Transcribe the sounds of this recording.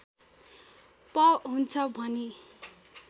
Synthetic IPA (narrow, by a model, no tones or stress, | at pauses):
pʌɦunt͡sʰʌbʱʌne